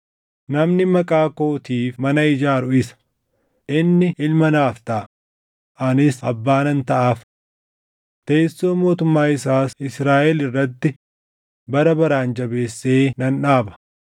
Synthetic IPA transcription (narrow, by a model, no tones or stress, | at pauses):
nɐmnɪmɐkʼaːko̞ːt̪iːfmɐnɐɪd͡ʒaːɾʊɪsɐ̥ | ʔɪnːɪʔɪlmɐnaːft̪ɐʔ | ʔɐnɪsɐbːaːnɐnt̪ɐʔaːf | t̪eːsːo̞ːmo̞ːt̪ʊmːaːɪsaːsɪsɾaːʔɛlɪrːɐt̪ːɪ | bɐɾɐbɐɾaːnd͡ʒɐbe̞ːsːe̞ːnɐnᶑaːbɐ̥